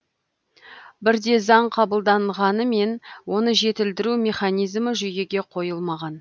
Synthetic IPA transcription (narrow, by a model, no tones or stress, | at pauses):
bɪɾd̪e̞zɑɴqʰɑbəlˠd̪ɑɴʁɑnəme̞nwo̞nəʒe̞t̪ɪld̪ɪɾumʲe̞χanijzməʒʏje̞ɡʲe̞qʰo̞jəlˠmɑʁɑn